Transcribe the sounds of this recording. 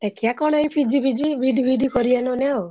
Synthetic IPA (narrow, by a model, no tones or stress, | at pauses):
t̪ekʰjakɔɽ̃ɔipʰid͡ʒibid͡ʒibid̪ʱibid̪ʱikɔɾiɛnɔneo